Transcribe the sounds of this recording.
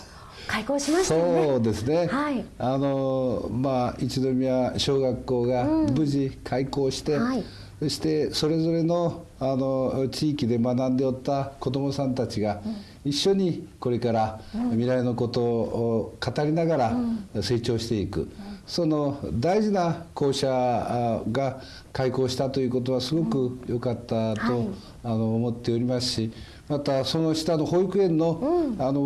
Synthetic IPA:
kaikoːɕimasoːd̪e̞sɨne̞aiano̞mait͡ɕid̪o̞mʲiaɕo̞ːɡakːo̞ːɡabɯ̟ʑikʰaiko̞ːɕi̥t̪e̞ | soɕi̥t̪e̞so̞ɾe̞zo̞ɾe̞no̞ | ano̞t͡ɕiːkʲid̪e̞manãnd̪e̞ot̪ːako̞d̪o̞mo̞sãnt̪at͡ɕiɡa | iɕːo̞ɲ̟iko̞ɾe̞kaɾamʲiɾaino̞ko̞t̪o̞ | kat̪aɾʲinaɡaɾase̞ːt͡ɕo̞ːɕi̥t̪e̞ikɯ̟̰so̞no̞d̪aiʑinako̞ːɕa | ɡa | kaiko̞ːɕi̥t̪at̪o̞jɯ̟ko̞t̪̬o̞βasɨɡo̞kɯ̟jo̞kat̪ːat̪o̞ | ano̞ːmo̞t̪ːe̞o̞ɾʲimasɨ̥ɕi | mat̪aso̞no̞ɕi̥t̪ano̞ho̞ːikɯ̟ẽ̞nːo̞ano̞

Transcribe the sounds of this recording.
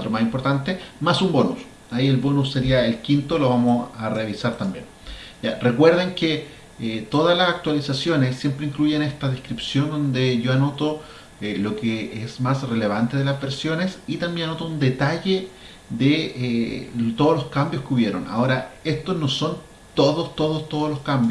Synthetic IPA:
t̪ɾomasimpoɾt̪ant̪emasumbo̞nṵs | aie̞lβo̞nusːe̞ɾiaelkint̪oloβamosareβisaɾt̪ambjḛn | jarekwe̞ɾðeŋke | et̪o̞ðalasak̚t̪walisasjo̞nesːje̞mpɾeiŋkluʝenest̪aðehkɾipsjond̪o̞nd̪eʝo̞ano̞t̪o | elo̞keesmasrele̞βant̪e̞ðelazβe̞ɾsjo̞nesit̪ambjenano̞t̪ound̪e̞t̪aʝe | ðeet̪o̞ðoloskambjoskeuβje̞ɾo̞̰na̰o̞ɾaest̪osno̞so̞n | t̪oðost̪o̞ðost̪o̞ðoloskambjo

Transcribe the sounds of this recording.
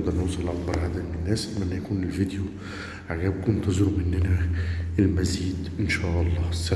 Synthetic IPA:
d̪ɑɾnʊwsˤɑlʔakbɑɾˤʕad̪æmnɪnːæːsmʔænːæjækuːnɪlvid̪ju | ʕaɡæːb̚knt̪ɑzuɾmɪnːɪnæɪlmæziːd̪ʔɪnʃæːʔɑlˤːɑːsːæ

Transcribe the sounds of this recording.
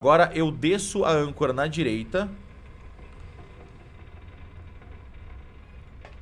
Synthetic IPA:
ɡɔɾɐʔewd̪esʊa̰ɐ̃ŋkoɾɐnɐd͡ʒiɾejt̪ɐ

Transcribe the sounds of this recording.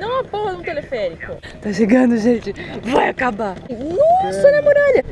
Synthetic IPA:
nɐ̃w̃ɐpõwhɐnũt̪elefɛɾikʊ | t̪aʃeɡɐ̃nd̪ʊʒẽt͡ʃɪvajakabanɔsɐnãmoɾaʎɐ

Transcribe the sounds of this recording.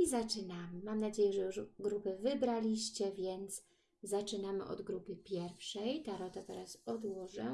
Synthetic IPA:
izat͡ʂɘnamɘmamnad͡ʑejɛʐɛjuʐɡɾupɘvɘbɾalʲiɕt͡ɕɛvʲjɛnt̪s | zat͡ʂɘnamɘ̰ʔɔ̰d̪ɡɾupɘpʲjɛɾfʂɛjt̪aɾɔt̪at̪ɛɾasɔd̪wɔʐɛ

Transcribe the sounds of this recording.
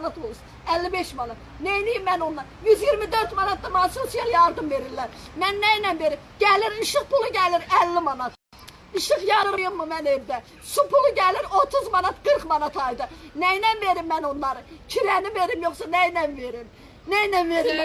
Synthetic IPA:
nɑt̪ʰolˠus | ælːibe̞ʃmɑnɑt̪ | nejnijimːænonlˠɑjyzjiɾmid̪øɾt̪mɑnɑt̪̚d̪ɑmɑsusjɑɾjɑɾd̪ɯmve̞ɾilːæɾmænːæjnænve̞ɾimɟ̥æliɾiʃɯχpulˠuɟæliɾælːimɑnɑt̪ | iʃɯχjɑɾɯɾɯjɯmːumænevd̪æ | supʰulˠuɟæliɾo̞t̪ʰuzmɑnɑt̪ɡ̥ɯɾχmɑnɑt̪ʰɑjd̪ɯnæjnænveɾimːænonlˠɑɾɯcʰiɾænive̞ɾimjo̞χsɑnæjnænveɾim | næjnænveɾilːæ

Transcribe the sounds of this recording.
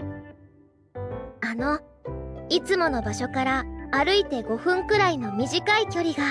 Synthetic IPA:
ano̞ | it͡sɨmo̞no̞baɕo̞kaɾaːɾɯ̟it̪e̞ɡo̞ɸɯ̟̃ŋkɯ̟ɾaino̞mʲiʑikaikʲo̞ɾʲiɡa

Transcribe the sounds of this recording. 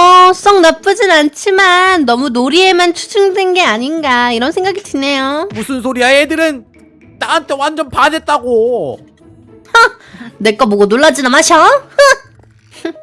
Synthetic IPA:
ʌs͈ʌŋnap͈ɯd͡ʑinant͡ɕʰimanːʌmunoɾie̞mant͡ɕʰu̥d͡ʑʰɯŋdwenɡe̞aɲinɡaiɾʌnsʰe̞ŋɡaɡitine̞jomusʰɯnsʰoɾiaedɯɾɯn | t͈aɦantʰewand͡ʑʌnpade̞t̚t͈aɡo | nek͈amoɡonoɭːad͡ʑinamaɕʰʌ

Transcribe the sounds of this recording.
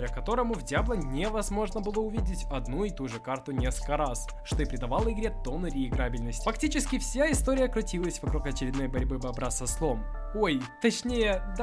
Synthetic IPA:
əkɐt̪o̞ɾəmʊvdʲjablˠənʲevɐzmo̞ʐnəbɨlˠəʊvʲidʲɪtʲɐd̪nuɪt̪uʐɨkart̪ʊnʲe̞skəlʲkəɾas | ʂt̪o̞ɪpɾʲɪd̪ɐvalˠəɪɡɾʲet̪onɨɾʲɪɪɡɾabʲɪlʲnəsʲtʲfɐktʲit͡ɕɪskʲɪfsʲaɪst̪o̞ɾʲɪjəkɾʊtʲilˠəsʲvɐkɾukɐt͡ɕɪɾʲɪd̪no̞jbɐɾʲbɨbɐbɾasɐslˠo̞m | oj | t̪ɐt͡ɕnʲejəd̪

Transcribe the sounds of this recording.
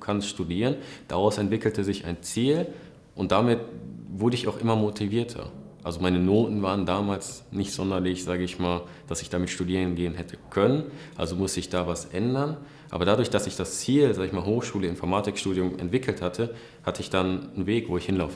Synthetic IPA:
kʰanstʃtudiːʁənd̥a̰ʁaʊsɛntv̥ɪkl̩təzɪçaɪnt͡siːl | ʔʊntd̥amɪtv̥ʊɐdəɪçaʊxʔɪmɐmotʰiviːɐtʰɐ̰ʔalzomaɪnənoːtn̩vaːʁ̞əndaːmaːlsnɪçtz̥ɔndɐlɪçz̥aːɡəɪçmaːl | d̥asɪçd̥amɪtʃtudiːʁənɡeːənɦɛtʰəkʰœnənʔa̰lzomʊstəɪçd̥aːvasʔɛndɐn | ʔa̰ːbɐdadʊɐçd̥asɪçd̥ast͡siːlzaːɡəɪçmaːlɦoːxʃuːləɪmfɔɐmaːtɪkʃtuːdjʊmɛ̰ntv̥ɪkʰl̩thatʰə | hatəɪçd̥annveːkv̥oːɪçhɪnlaʊfə

